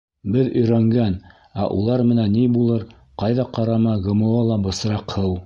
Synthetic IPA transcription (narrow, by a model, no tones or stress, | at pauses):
bɘðɵ̆jɾæŋɡæn | æʔulˠɑɾmɘ̆nænːibulˠɤɾ | qɑjðɑqɑɾɑmɑɡɤ̆mɤ̆wɑlˠɑbɤ̆sɾɑqhɤw